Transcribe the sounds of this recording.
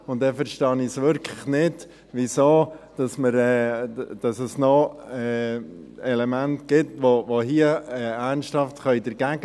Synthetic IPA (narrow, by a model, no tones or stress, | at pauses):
ʊntd̥ɛfəɾʃtɑnɪsʋʏɾkʰləχnɪd | ʋɪsoːd̥ɑsməɾɛd̥ɑsəsnɔɛː | ɛlɛmæntɡ̥ɪtʋoʋoɦiəɛæɾnsthɑftχœʏdəɾɡ̥æːɡ